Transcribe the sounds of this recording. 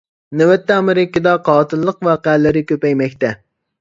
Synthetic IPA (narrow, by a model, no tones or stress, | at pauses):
nɛwɛt̪ːɛɑmɪɾɪkʲːid̪ɑqʰɑːt̪ʰɨlˠːəqʋɑːqæːlɪɾɪkʲøpɛjmɛkʲt̪ɛ